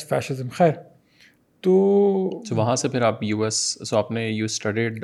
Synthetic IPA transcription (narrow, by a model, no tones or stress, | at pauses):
fɛ̰ːʃɪzəmxɛːɾ | t̪oːt̪oʋɐɦãsepʰɪɾaːpjuːɛssoaːpnejuːsʈɐɖiːɖ